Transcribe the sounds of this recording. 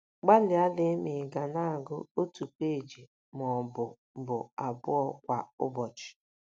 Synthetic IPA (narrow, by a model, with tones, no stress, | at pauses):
ɡ͡ba˦lɪ˨a˦lɪ˦mɪ˨ɡa˨na˦˨ɡʊ̰˦o˦tu˨kʷe˦˨d͡ʒi˨ | mɔ˨bʊ˨ | bʊ˨a˨bʊ˦ɔ˦kʷa˨ʊ̰˦bɔ˨t͡ʃɪ̥˨